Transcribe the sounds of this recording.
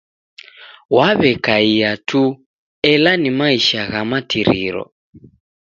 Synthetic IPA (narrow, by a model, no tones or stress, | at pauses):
waβɛkaijatʰu | ɛlanimaiʃaɣamatiɾḭɾɔ̰